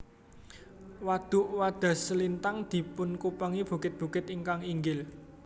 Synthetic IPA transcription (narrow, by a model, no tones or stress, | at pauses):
wad̪̥ʊ̤ʔwad̪̥a̤səlint̪aŋd̪̥i̤pʊnkupəŋib̥ṳkɪt̪̚b̥ṳkɪt̪iŋkaŋiŋɡɪl